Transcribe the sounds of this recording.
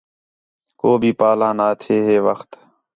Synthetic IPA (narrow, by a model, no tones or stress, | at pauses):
koːbʱiːpaːlãːnaːt̪ʰeːɦeːʋəxt̪